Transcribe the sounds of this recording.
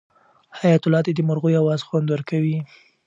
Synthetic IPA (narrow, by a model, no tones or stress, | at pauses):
hajat̪ʊlɑd̪ed̪əmʊɾɣujawɑzxwand̪wəɾkawi